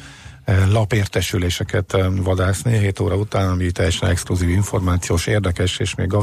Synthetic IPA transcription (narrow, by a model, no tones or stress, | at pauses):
lɒpeːrt̪ɛʃyleːʃɛkɛt̪ʋɒd̪aːsniɦeːt̪oːɾɒut̪aːnɒmit̪ɛjːɛʃɛnɛkskluziːviɱfo̞rmaːt̪sijoːʃeːrd̪ɛkɛʃeːʃmḛːɡːɒ